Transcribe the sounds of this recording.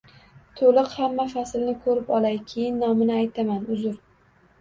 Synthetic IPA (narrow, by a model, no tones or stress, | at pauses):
t̪ʰolɨqhamːafasɪlnɪkʰɵɾɪpɒlˠajkʲʰejɪnːɒmɪnɪajt̪ʰamanʊzʊɾ